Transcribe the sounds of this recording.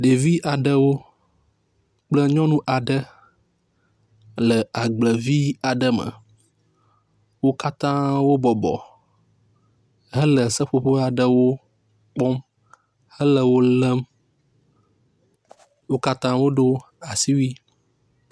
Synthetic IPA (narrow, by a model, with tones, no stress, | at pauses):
ɖe˨vi˦ʔa˨ɖə˦wo˦ | k͡plə˦ɲɔ̃˦nũ˦ʔa˨ɖə˦ | lə˨a˨ɡ͡blə˨vi˦a˨ɖə˦mə̰˨ | wo˦ka˦t̪ã˦wo˦bɔ˨bɔ̰˨ | ɦə˦lə˨sə˦ɸo˦ɸo˦a˨ɖə˨wo˦ | k͡pɔ˦m | hə˦lə˨wo˦lə˦m | wo˦ka˦t̪ã˦wo˦ɖo˦ | a˨si˦wi˦